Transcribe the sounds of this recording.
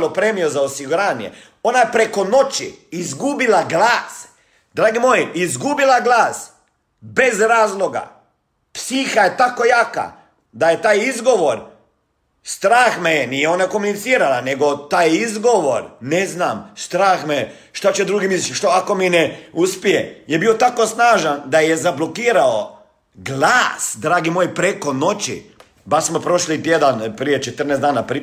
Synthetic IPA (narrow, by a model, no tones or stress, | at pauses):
lopɾemijozaosiɡuɾaːnjḛ | o̞najepɾeko̞no̞t͡ʃḭizɡubilaɡlaːs | d̪ɾaːɡimojiʔizɡubilˠaɡlˠaːs | be̞zɾaːzlˠoɡa̰ | psiːxajet̪ako̞jaːka̰ | d̪ajet̪aːjizɡo̞ʋoɾ | st̪ɾaːxmejenijeonakomunit̪siːɾalaneɡo̞t̪aːjizɡoʋoɾneznaːmst̪ɾaːxme | ʃt̪at͡ɕed̪ɾuːɡimisʃt̪oako̞mineuspijejebiot̪ako̞snaːʒand̪ajezablo̞kiːɾao | ɡlˠaːsd̪ɾaːɡimoːjpɾeko̞no̞t͡ɕḭ | baʃsmopɾoʃlit̪jed̪anpɾijet͡ʃet̪ər̩neːzd̪aːnapɾi